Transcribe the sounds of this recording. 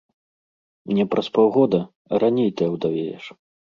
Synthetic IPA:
mnʲɛpɾʔɐspɔwɣɔd̪ɐ | ɾanʲɛjt̪ɨjɐwd̪avʲɛd͡zʲɛ̰ʂ

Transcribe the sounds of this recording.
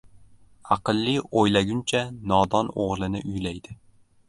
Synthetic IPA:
ɑqɨlˠːɪojlaɡʲʊnt͡ʃʰanɒd̪ɒno̰ʁlˠɪnɪ̰ʔʊjlajd̪ɪ

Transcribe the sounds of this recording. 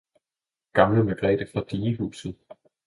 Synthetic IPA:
ɡ̥ɑ̈mləmeɡ̥ʁɛ̰ːd̥əfʁɑ̈d̥iːɦṵːsð̩ˠ

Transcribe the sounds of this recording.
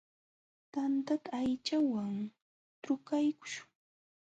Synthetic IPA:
t̪ant̪at̪aːjt͡ʃawaŋ | t̪ʊkajkʊ̥ʃʊ̥ŋ

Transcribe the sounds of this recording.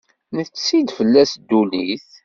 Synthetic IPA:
nəθt͡sːsid̪fəlːæsd̪ːuliθ

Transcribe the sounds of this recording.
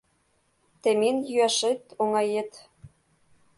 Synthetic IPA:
t̪ĕmenjyæʃet̪oŋɑjet̪

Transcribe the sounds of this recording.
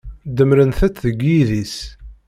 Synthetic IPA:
d̪əmɾənθæt͡sːðəɡjiðis

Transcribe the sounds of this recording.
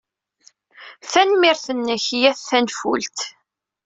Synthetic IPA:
θænmɪɾθənːəçjæθːænfṵlt̪

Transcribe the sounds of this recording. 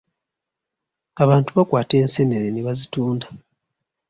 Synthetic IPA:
aβaːntuβakwaːte̞ːnseneɾeniβazituːnda

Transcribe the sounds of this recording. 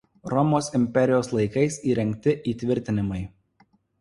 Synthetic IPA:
ɾɔmoːsɪmʲpʲɛɾʲɪjoːslˠɐɪkɐɪsiːɾʲɛŋʲk̚t̪ʲɪʔiːt̪ʲʋʲɪɾʲt̪ʲɪnʲɪmɐɪ

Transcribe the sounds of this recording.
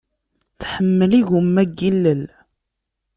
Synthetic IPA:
θħəmːəliɣumːæɡilːəl

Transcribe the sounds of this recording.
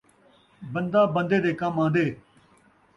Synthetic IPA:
bənd̪aːbə̃nd̪eːd̪eːkãːmãːnd̪eː

